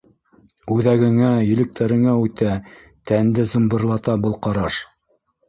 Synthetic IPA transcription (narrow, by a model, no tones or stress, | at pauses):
ʉðæɡɘ̆ŋæjɘ̆lɘ̆k̚t̪ʰæɾɘ̆ŋæʉt̪æ | t̪ænd̪ɘzɤ̆mbɤ̆ɾlˠɑt̪ɑbɤ̆lˠqɑɾɑʃ